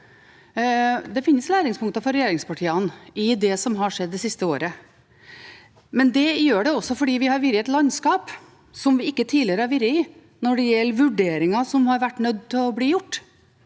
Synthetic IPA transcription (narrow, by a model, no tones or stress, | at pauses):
d̪ɛfɪnːəslæːɾɪŋspʊŋk̚t̪ɑfɔɾɛjeːɾɪŋspɑʈʰiːɑnɪd̪ɛsɔmɦɑʂɛd̪ːɛsɪst̪əoːɾə | mɛnd̪ɛjøːɖɛɔsːɔfɔɖiːʋɪhɑɾʋɪɾjəɛt̪lɑnskɑːp | sɔmʋɪɪkːət̪ʰiːlɪəɾəæɾʋɪɾəɪ | nɔɖɛjɛlːʋʉɖeːɾɪŋɑsɔmhɑɾʋæʈːnœd̪t̪ʰɪlɔbliːjʊʈː